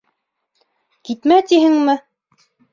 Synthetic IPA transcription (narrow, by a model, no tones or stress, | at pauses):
kit̪mæt̪iɦɘŋmɘ